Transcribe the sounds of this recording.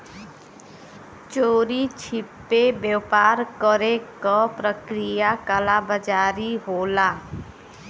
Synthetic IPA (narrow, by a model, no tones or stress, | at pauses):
t͡ʃoːɾit͡ʃʰipːebjewpaɾkəɾekɔpɾəkɾijakalabəd͡ʒaɾiɦola